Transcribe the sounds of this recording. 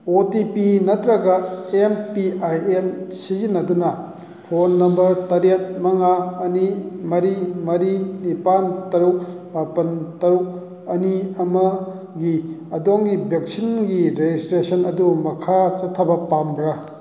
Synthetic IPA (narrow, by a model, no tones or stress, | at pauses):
otipinɐt̪ɾɐɡɐempiajensizinːɐdunɐ | pʰonːɐmbɐɾtɐɾet̚mɐŋaɐnimɐɾimɐɾinipantɐɾuk̚ | bapɐntɐɾuk̚ | ɐniɐmɐ | ɡiɐdoŋɡibʱek̚sinɡiɾed͡ʒistɾesɐnɐdumɐkʰat͡ʃɐtʰːɐbɐpambɾa